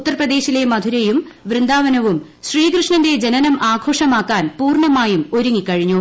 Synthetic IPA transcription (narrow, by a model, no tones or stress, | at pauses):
ut̪ːɐrprɐd̪e̞ːɕile̞mɐd̪ʱuɾejum | ʋrɨnd̪aːʋɐnɐʋum | ɕriːkrɨʂɳɐnde̞d͡ʑenɐnɐmʔaːɡʱo̞ːʂɐmaːkːaːnpuːrɳɐmaːjumo̞ɾuŋːikːɐɻiɲːu